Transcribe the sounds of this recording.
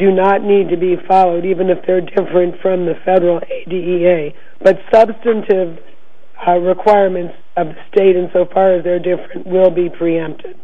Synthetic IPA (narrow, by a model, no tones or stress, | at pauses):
d̥ɨnətⁿnid̚tɨbifɑlˠoʊɾivɨ̃nɨfðə˞dɪfɹɨ̃ntfɹʌ̃mðɨfɛɾə˞l̩ˠeɪdiieɪ | b̥ʌtsʌbstɨ̃ntʰɪv | ɹɪkʰw̥aɪɹmɨ̃nts | ʌvðɨsteɪɾɨ̃nsoʊfɑɹɨzðə˞dɪfɹɨ̃nʔwɪlˠbipʰɹ̥iɛ̃mp̚tʰɪd̥